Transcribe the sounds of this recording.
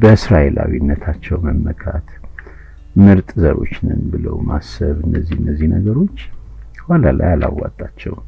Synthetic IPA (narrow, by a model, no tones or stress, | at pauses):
bəɨsɾaʔelawinːət̪ʰat͡ʃːɛwməmːəkʰat̪ | mɨɾt̪ʼzəɾo̞̰t͡ʃːnɨnbɨləwmasːəβɨnːəzːihɨnːəzːihnəɡəɾo̞t͡ʃː | walalajalawːat̪ʼːat͡ʃːɛw